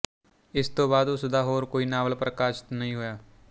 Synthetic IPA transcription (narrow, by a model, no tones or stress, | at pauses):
ɪst̪õːbaːd̪ʊsd̪aːɦoːɾkoːiːnaːʋəlpɾəkaːʃɪ̥t̪nəɦĩːɦʊjaː